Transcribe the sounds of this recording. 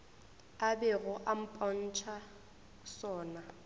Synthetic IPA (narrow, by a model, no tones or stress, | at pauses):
abɛɣʊʔam̩pʼɔn̩t͡ʃʰa | sɔːna